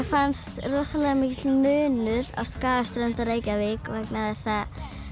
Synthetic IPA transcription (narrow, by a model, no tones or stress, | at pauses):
fanst̪rɔːsalɛɣamɪcɪt̪lmʏːnʏɾa̰wskaːðast̪ɾœnt̪aɾeːjcavɪkvɛknaθɛsːa